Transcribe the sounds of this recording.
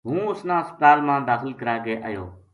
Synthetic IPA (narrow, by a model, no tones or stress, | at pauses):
ɦũːʊsnãːəspət̪aːlmãːd̪aːxɪlkəɾaːɡeːʔə̰ːjo̰ː